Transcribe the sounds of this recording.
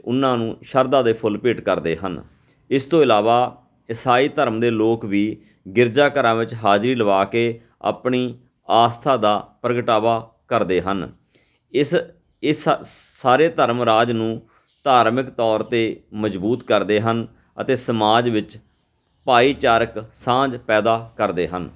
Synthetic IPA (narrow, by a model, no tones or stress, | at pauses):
ʊnːãːnũːʃəɾd̪ãːd̪eːpʰʊlpiːʈkəɾd̪ḛːɦə̰n | ɪst̪õːɪlaːʋaː | ɪsaːiːt̪əɾmd̪eːloːkʋiː | ɡɪɾd͡ʒaːkəɾãːʋɪt͡ʃɦaːd͡ʒɾiːləʋaːkeː | a̰ːpɳiː | aːst̪ʰaːd̪aːpɾəɡəʈaːʋaː | kəɾd̪eːɦən | ɪs | ɪsː | aːɾeːt̪əɾmɾaːd͡ʒnũː | t̪aːɾmɪkt̪ɔːɾt̪eːməd͡ʒbuːt̪kəɾd̪eːɦən | ə̰t̪eːsəmaːd͡ʒʋɪt͡ʃ | paːiːt͡ʃaːɾəksãːd͡ʒpɛːd̪aːkəɾd̪eːɦə̰n